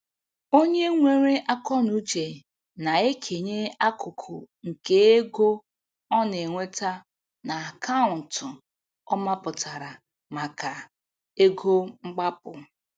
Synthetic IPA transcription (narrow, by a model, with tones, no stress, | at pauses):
o˦ɲe˦ŋʷe˨ɾe˦ʔa˦kɔ˦nu˦d͡ʒe˨ | na˨e˦kʰe˨ɲe˦a˦kʊ˨kʰʊ˨ | ŋ̩˨ke˦e˦ɡo˦ | ɔ˦ne˨ŋʷe˦ta˦ | na˨kʰa˦ʊ˨n̩˨tʊ˨ | ɔ˦ma˦pʊ˨tʰa˨ɾa˨ | ma˨ka˨ | e˦ɡo˦ŋ͡m̩˦ɡ͡ba˦pʊ˨